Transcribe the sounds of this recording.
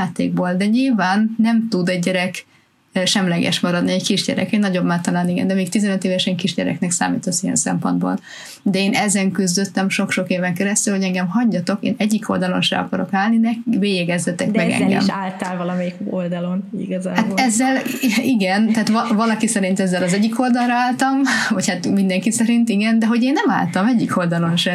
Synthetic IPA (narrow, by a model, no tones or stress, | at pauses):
aːt̪ːḛːɡ̚boːld̪ɛɲilvaːnːɛmt̪ud̪ɛɟɟɛɾɛk | ʃɛmlɛɡɛ̰ʃmɒɾɒd̪niɛckiʒɟɛ̰ɾɛ̰kɛnɒɟo̞bmaːt̪ːɒlaːniɡɛ̰nd̪ɛmeːk̚t̪izɛnøt̪eːvɛʃɛŋkiʒɟɛɾɛ̰knɛksa̰ːmḭːt̪osːiɛ̰nsɛ̰mpo̞̰nd̪bo̰ːl | d̪ɛeːnʔɛzɛŋkyzd̪øt̪ːɛmʃo̞kʃo̞keːvɛŋkɛɾɛst̪ylho̞ɟɛŋɡɛmɦɒɲɟɒt̪o̞kḛːnɛɟːikʰo̞ld̪ɒlo̞̰nʃɛ̰ɒ̰kɒɾo̞kaːlninɛkveːjɛɡɛzːɛt̪ɛkmɛɡɛ̰ŋɡɛ̰mʃaːlt̪alvɒlɒmɛjikold̪ɒlonḭɡɒzaːhat̪ɛzːɛliɡɛnt̪ɛaːt̪ʋɒvɒlɒkisɛɾint̪ɛzːɛlɒzɛɟːikʰo̞ld̪ɒlrɒaːlt̪ɒmvɒchat̪mind̪ɛŋkisɛɾint̪iɡɛnd̪ɛɦo̞ɟeːnːɛma̰ːlt̪ɒmɛɟːikʰo̞ld̪ɒlo̞nʃɛ